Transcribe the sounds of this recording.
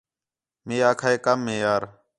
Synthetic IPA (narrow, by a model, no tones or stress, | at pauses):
meːaːkʰaːeːkəmːẽːjaːɾ